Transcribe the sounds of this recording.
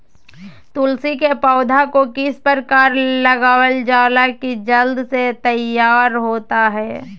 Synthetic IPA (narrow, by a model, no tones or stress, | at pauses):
t̪ʊlsikepaːd̪ʱakokispəɾkaːɾləɡaːwəld͡ʒaːlakid͡ʒəld̪set̪əjaːɾɦoːt̪aɦɛː